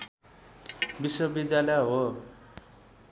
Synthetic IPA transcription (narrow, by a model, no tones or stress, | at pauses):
biswʌbid̪jalʌjɦo